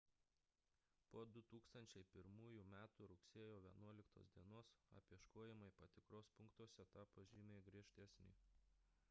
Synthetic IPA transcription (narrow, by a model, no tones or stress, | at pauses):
poːd̪ʊt̪uːkst̪ɐnʲt͡ʃʲɛɪpʲɪɾmuːjumʲæːt̪uːɾʊksʲeɛjoːʋʲiɛnuɔlʲɪkt̪o̰ːsd̪ʲiɛnoːsɐ̰pʲiɛʃkoːjɛmɐɪpɐt̪ʲɪkɾoːspʊŋkt̪uɔsʲɛt̪ɑːpɐʒʲiːmʲeːɡɾʲiɛʃʲt̪ʲɛsʲnʲḭː